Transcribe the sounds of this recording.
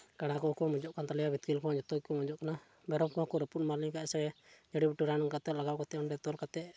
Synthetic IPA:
kaɽ̃akɔkɔamɔd͡ʒɔʔkant̪alijabit̪̚kilkɔad͡ʒɔt̪ɔkɔmɔd͡ʒɔʔkana | bɛɾɔmkakɔɾɛpunmaɾniŋkaɛsɛɛd͡ʒaɽibiʈuɾanɔŋkat̪ɛʔlaɡawkat̪ɛɔndɛt̪ɔlkat̪ɛʔ

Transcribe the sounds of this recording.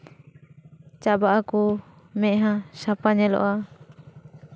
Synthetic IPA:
t͡ʃabaʔaku | mɛ̃ʔɦãsapaɲɛlɔ̰ʔa

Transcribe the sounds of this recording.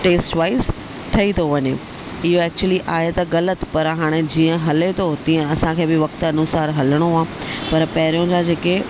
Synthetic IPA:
ʈeːsʈʋaːɪs | ʈʰɐit̪ʰoʋɐɲe | ɪɦoɛːk̚t͡ɕuəliʔaːɦet̪ɐɣɐlət̪pɐɾɦaːɽ̃ed͡ʑiːə̃ɦɐlet̪ʰot̪ĩːə̃ɐsãkʰeːbɪʋɐk̚t̪ɐnʊsaːɾɦɐləɽ̃oaːpɐɾpɐɦɪɾijõd͡ʑad͡ʑeːke

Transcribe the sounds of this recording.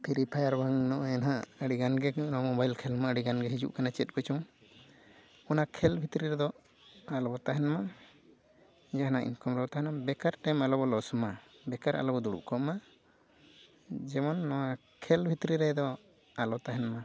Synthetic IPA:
pʰiɾipʰajaɾbaŋnɔʔɔjɛnaʔəɽiɡanɡɛnamɔbajlkʰɛlmaəɽiɡanɡɛɦid͡ʒṵʔkanat͡ʃɛt̪̚ˀkɔt͡ʃɔm | ɔnakʰɛlbʱit̪ɾiɾɛd̪ɔ | alɔbɔt̪aɦɛnma | d͡ʒaɦanaḭnkɔmɾɔbɔt̪aɦɛnabɛkaɾʈɛmalɔbɔlɔsma | bɛkaɾa̰lɔbɔd̪uɽṵʔkɔma | d͡ʒɛmɔnːɔwa | kʰɛlbʱit̪ɾiɾɛd̪ɔ | alɔt̪aɦɛnma

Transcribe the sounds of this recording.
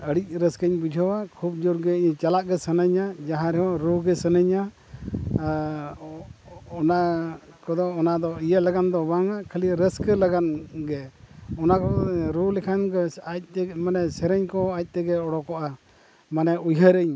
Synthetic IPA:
əɽic̚ˀɾəskəɲbid͡ʒʱɔwakʰub̚d͡ʒuɾɡɛɲt͡ʃalaʔɡɛsənəɲad͡ʒaɦãɾɛɦɔ̃ɾuɡɛsənəɲa | ɔna | kɔd̪ɔɔnad̪ɔijəlaɡand̪ɔbaŋakʰəliɾəskəlaɡanɡɛɔnakɔɾulɛkʰankɔac̚t̪ɛmanɛsɛɾɛɲkɔac̚ˀt̪ɛɡɛɔɽɔkɔʔa | manɛujɦəɾəɲ

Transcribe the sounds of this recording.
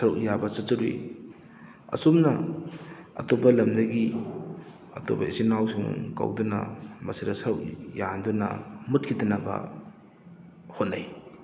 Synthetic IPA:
sɐɾuʔjabɐsɐt͡ʃɐɾḭ | ɐ̰sumnɐ | ɐ̰topɐlɐmdɐɡi | ɐto̰bɐ̰isinawsuŋkɐ̰wdunɐ̰mɐsiɾɐsɐwjandunɐ̰mut̚kʰidɐnɐbɐ̰ | hotnːaj

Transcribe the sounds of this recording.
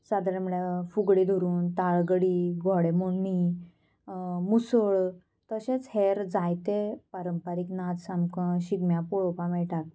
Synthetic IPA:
sad̪ɾamɽafuɡɽid̪ʱoɾuːnt̪aɭɡəɽiːɡʱɔɽemoɳːi | musəɭ | t̪əɕẽt͡sheɾd͡zajt̪epaɾəmpaɾiknad̪samkə̃ɕiɡmjãpɔɭɔpãmɛʈak̪̚

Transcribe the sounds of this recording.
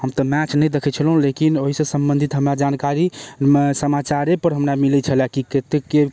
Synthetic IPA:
həmt̪ɔmɛt͡ʃnɛjd̪ekʰɛt͡ʃʰəlɦũlekinoɦisə̃səmbə̃nd̪ʱit̪ɦəmɾad͡ʒankaɾisəmat͡ʃaɾepəɾɦəmɾamilɛt͡ʃʰəlakiket̪ekːe

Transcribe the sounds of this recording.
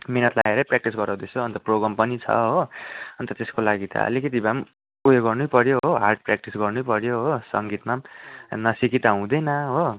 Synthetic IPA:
menʌt̪la̰eɾʌprak̚ʈisɡʌɾãw̃d̪esoʌnt̪ʌproɡrʌmpʌnit͡sʰʌ̰ɦoʌnt̪ʌt̪eskolaɡit̪ʰʌ̰ʌ̰likʌt̪ibam | ujeɡʌrnupʌɾjoɦoɦarʈ̚prak̚ʈisɡʌrnujpʌɾjoɦosʌ̰ŋɡit̪manʌsikit̪aɦũd̪ʌjnʌɦo

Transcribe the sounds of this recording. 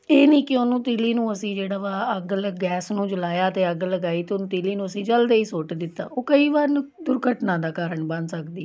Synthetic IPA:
eːnĩːkɪʊnũːt̪iːliːnũːəsĩːd͡ʒeːɽaːʋaːəɡlɡɛːsnũːd͡ʒəlaːjaːt̪eːəɡləɡaːiːt̪eːʊnũːt̪iːliːnũːəsĩːd͡ʒəld̪eːiːsoːʈd̪ɪt̪ːa̰ːʔoːkəiːʋaːɾnd̪ʊɾɡəʈnãːd̪aːkaːɾəɳbənd̪səkd̪iːɛ

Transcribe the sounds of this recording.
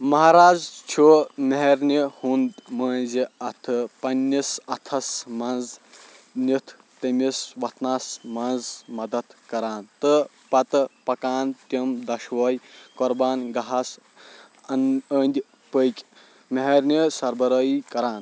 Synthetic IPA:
mɐɦaɾaːzt͡ʃʰumeɦeɾnihund̪məːnʲziɐt̪ʰɨpɐnʲːisɐt̪ʰɐsmɐnz | nʲit̪ʰ | t̪ɐmʲisʋɐt̪naːsmɐnzmɐd̪ɐt̪kɐɾaːnt̪ɨ | pɐt̪ɨpɐkaːnt̪ʲimd̪ɐʃʋɐːjkɔɾbaːnɡɐɦas | ɐnəːnd̪ʲ | pəjkʲ | mɐɦɐɾnʲisɐɾbɐɾɐːikɐɾaːn

